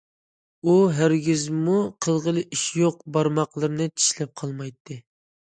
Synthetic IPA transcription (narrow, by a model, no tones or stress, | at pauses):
uɦæɾɡʲizmuqʰəlˠʁəlˠɨʔiʃjoq̚bɑɾmɑqlˠɨɾɨnɨt͡ʃʰi̥ʃlɛp̚qʰɑlˠmɑjt̪ʰːɨ